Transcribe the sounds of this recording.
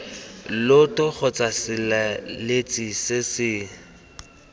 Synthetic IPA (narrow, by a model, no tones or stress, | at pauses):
lʊtʼʊk͡xʰɔt͡sʼasɪlalet͡sʼisɪsɪ